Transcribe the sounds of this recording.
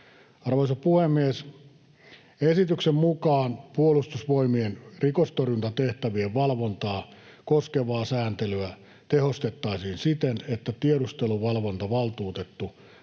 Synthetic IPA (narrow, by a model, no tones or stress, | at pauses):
ɑrʋoisɑpuhemːies | esit̪yksemmukɑːnpuolust̪usʋoimienrikost̪orjunt̪ɑt̪eht̪æʋieʋʋɑlʋont̪ɑː | koskeʋɑːsæːnt̪elyæ | t̪ehost̪et̪ːɑisiːnsit̪enet̪ːæt̪ieɾust̪eluʋɑlʋont̪ɑʋɑlt̪uːt̪et̪ːu